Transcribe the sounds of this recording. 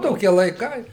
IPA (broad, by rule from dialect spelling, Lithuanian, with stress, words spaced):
ˈtoːkʲiɛ lˠɐɪˈkɐɪ